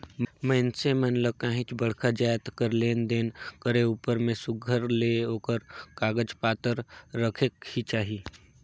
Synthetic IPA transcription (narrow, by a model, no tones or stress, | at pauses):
məɪnsemənləkãːɦɪ̃t͡ʃbəɽ̤kʰad͡ʒaːjt̪kəɾleːnd̪eːnkəɾeuːpəɾmẽsʊɡʱəɾleoːkəɾkaːɡəd͡ʒpaːt̪əɾːəkʰekhit͡ʃaːɦiː